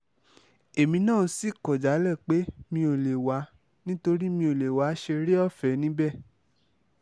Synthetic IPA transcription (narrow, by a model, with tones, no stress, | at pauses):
e˨mĩ˧nãː˦˨˧si˦˨kɔ˨d͡ʒa˨˦lɛ˦˨k͡pe˨˦mĩ˧˦o˨le˨wa˨˧˦ | nĩ˦to˧ɾi˦mĩ˧˦o˨le˨wa˨˦ʃe˧ɾe˦ɔ˦˨fɛ˨˦nĩ˦bɛ˦˨